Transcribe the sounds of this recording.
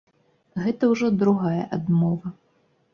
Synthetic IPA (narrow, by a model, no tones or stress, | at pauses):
ɣɛt̪ɐwʐɔd̪ɾuɣajɐʔad̪mɔvɐ